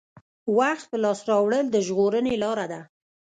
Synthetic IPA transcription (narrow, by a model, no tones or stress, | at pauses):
waxt̪̚pəlɑsɾɑwɽəld̪əʒɣoɾənelɑɾad̪a